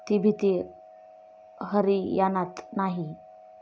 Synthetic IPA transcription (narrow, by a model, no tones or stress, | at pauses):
t̪ibʱit̪i | ɦəɾijanat̪naɦi